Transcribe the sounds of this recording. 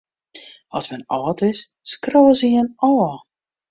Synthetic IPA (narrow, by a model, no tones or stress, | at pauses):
ɑsmɛnɔːtɪsskroːəziənɔː